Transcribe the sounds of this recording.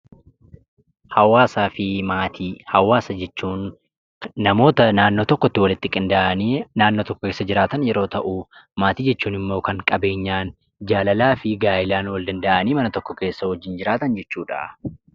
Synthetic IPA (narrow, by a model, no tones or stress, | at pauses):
hɐwaːsaːfɪmaːt̪ʰiːhɐwaːsɐd͡ʒɛt͡ʃːuːnː | ɐmo̞ːt̪ɐnaːnːo̞ːt̪ɔkːɔt̪ːɪwɐlɪt̪ːɪkʼɪnd̪aʔɐniːnaːnːo̞ːt̪ɔkːɔke̞ːsːɐd͡ʒɪɾaːt̪ɐnjɛɾo̞ːt̪ɐʔumaːt̪iːd͡ʒɛt͡ʃːuːnɪmːo̞ːkɐŋkʼɐbe̞ːɲːaːn | d͡ʒaːlɐlaːfɪɡaːjɪlaːnwɐld̪ɐnd̪ɐʔɐniːmɐnɐt̪ɔkːɔke̞ːsːɐwɔd͡ʒːɪnd͡ʒɪɾaːt̪ɐnd͡ʒɛt͡ʃːuːᶑɐ̰